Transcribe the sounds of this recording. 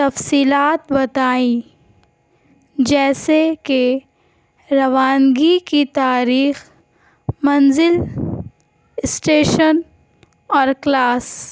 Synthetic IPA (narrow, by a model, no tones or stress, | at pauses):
t̪ɐfsiːlaːt̪bɐt̪aːĩ | d͡ʒɛːseke | ɾɐʋaːnɡikit̪aːɾiːx | mɐnzɪl | ɪsʈeːʃən | ɔːɾklaːs